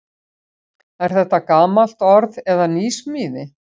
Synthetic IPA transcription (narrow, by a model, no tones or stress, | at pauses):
ɛɾ̥θɛht̪ːakaːmal̥t̪ɔɾðɛðaniːsmiːðɪ